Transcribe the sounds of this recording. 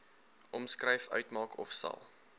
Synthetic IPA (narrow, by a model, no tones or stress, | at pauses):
ʔɔmskrɾɛjfœ̰ɥtmɑːkʰɔfsɐ̰lˠ